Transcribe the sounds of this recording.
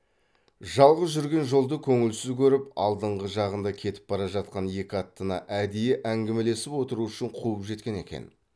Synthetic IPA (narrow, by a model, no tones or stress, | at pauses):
ʒɑlˠʁəzʒʏɾɡʲe̞nʒo̞lˠd̪əkʲʰɵŋɪlsɪzkʲʰɵɾɪpɑ̰lˠd̪əɴʁəʒɑʁənd̪ɑkʲʰe̞t̪ɪ̥p̚bɑɾɑʒɑt̪̚qɑnje̞kʲɪɑt̪ːənɑʔæd̪ejeʔæŋɡʲeme̞le̞sɪpwo̞t̪əɾuʏʃɪɴqʰuəpʒe̞t̪̚kʲe̞ne̞̰kʲḛn